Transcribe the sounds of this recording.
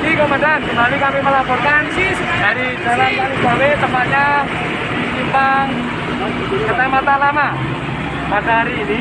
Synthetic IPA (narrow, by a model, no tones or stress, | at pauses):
kikomandankəmalikamiməlapɔrkansi | daɾid͡ʒalankaɾid͡ʒawet̪əmpat̪̚ɲa | diɲimpaŋ | kətamat̪alama | padaɦaɾiːni